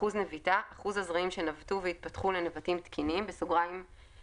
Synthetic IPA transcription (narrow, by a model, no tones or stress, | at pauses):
uznevitaʔaχuzazʁaimʃe̞navtuveit̪̚pɐtχulenevatimt̪kʰinimbesoɡʁaim